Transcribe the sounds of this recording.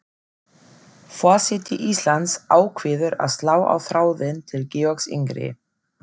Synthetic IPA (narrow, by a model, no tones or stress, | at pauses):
faːsɪt̪ɪʔist̪lant̪saːwkʰvɪðʏɾa̰ðst̪laːwa̰wθɾaːwðɪnt̪ʰɪlcɛːɔksɪ̰ŋkɾɪ̰